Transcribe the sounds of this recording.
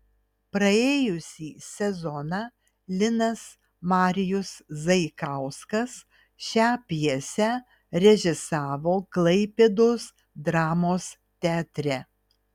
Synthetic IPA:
pɾɐeːjʊsʲiːsʲɛzɔnɑː | lʲɪnɐs | mɑːɾʲɪjʊszɐɪkɑˑʊskɐs | ʃʲæːpʲjɛsʲæ | ɾʲɛʒʲɪsɑːʋoːklˠɐɪpʲed̪oːs | d̪ɾɑːmoːs | t̪ʲɛt̪ʲɾʲɛ

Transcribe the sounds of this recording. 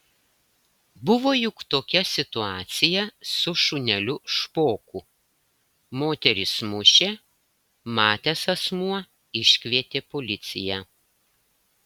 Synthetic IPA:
bʊʋoːjʊkt̪oːkʲɛsʲɪt̪ʊɑːt̪sʲɪjɛsʊʃʊnʲɛlʲʊʃpoːkʊ | moːt̪ʲɛɾʲɪsmʊʃʲeː | mɑːt̪ʲesɐsmuɔ | ɪʃʲkʲʋʲiɛt̪ʲeːpolʲɪt̪sʲɪ̰jɛ

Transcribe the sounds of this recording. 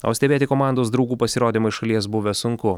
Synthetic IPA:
ɐ̰ʊsʲt̪ʲɛbʲeːt̪ʲɪkoːmɑˑnd̪oːs̬d̪ɾɐʊɡuːpɐsʲɪɾoːd̪ʲɪmɐɪʃɐlʲiɛs̬bʊʋʲɛsʊŋkʊ

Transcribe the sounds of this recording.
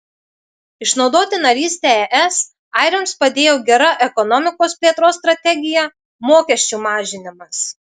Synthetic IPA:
ɪʃnɒʊd̪oːt̪ʲɪnɐɾʲiːsʲt̪ʲɛɛʔɛs | ɑˑɪɾʲɛmspɐd̪ʲeːjoːɡʲɛɾɐʔɛkɔnɔmʲɪkoːspʲlʲiɛt̪ɾoːst̪ɾɐt̪ʲɛɡʲɪjɛ | moːkʲɛʃʲt͡ʃʲumɑːʒʲɪnʲɪmɐs

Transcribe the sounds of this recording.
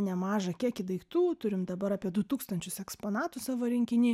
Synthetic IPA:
nʲɛmɑːʒɐkʲiɛkʲɪd̪ɐɪkt̪uːtt̪ʊɾʲɪmd̪ɐbɐɾɑːpʲiɛd̪ʊt̪uːkst̪ɐnʲt͡ʃʲʊsɛkspoːnɑːt̪ʊsɑʋoɾʲɪŋʲkʲɪnʲiː

